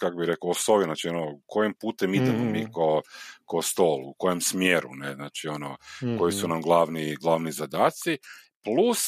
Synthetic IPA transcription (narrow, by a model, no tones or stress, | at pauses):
kakobiɾe̞koosoʋjiznaːt͡ʃionokʰojempuːt̪emid̪emomikokost̪o̞ːlˠuuko̞jemsmjeːɾṵneznaːt͡ʃio̞noko̞jisunamɡlˠaʋniɡlˠaːʋnizad̪aːt̪si | plˠus